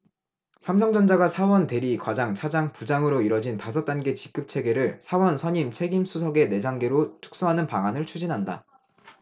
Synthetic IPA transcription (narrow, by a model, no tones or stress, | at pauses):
sʰams̬ʰʌŋd͡ʑʌnd͡ʑaɡasʰawʌnte̞ɾikwad͡ʑaŋt͡ɕʰad͡ʑaŋpud͡ʑaŋɯɾoiɾʌd͡ʑintasʰʌt͈anɡe̞t͡ɕik͈̚ɯp̚t͡ɕʰe̞ɡe̞ɾɯɭsʰawʌnsʰʌɲimt͡ɕʰe̞ɡimsʰusʰʌɡe̞ne̞d͡ʑaŋɡe̞ɾot͡ɕʰu̥k̚s͈uɦanɯnpaŋanɯɭt͡ɕʰud͡ʑinɦanda̰